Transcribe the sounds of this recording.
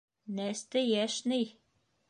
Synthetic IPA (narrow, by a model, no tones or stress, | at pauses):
næst̪ɘjæʃnɘj